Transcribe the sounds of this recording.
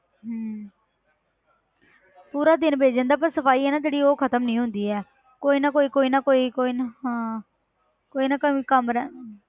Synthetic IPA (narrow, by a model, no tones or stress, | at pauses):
ɦː | puːɾaːd̪ɪnbʱeːd͡ʒə̃nd̪aːpəɾsəpʰaːiːɛːnaːd͡ʒeːɽiːoːkʰət̪əmnĩːɦʊnd̪iːɛː | koːiːnaːkoːiːkoːiːnaːkoːiːkoːiːnaɦãː | koːiːnaːkəikəmɾɛ